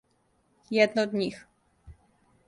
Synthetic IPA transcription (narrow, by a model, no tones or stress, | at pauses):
jɛd̪̚nɔd̪ɲix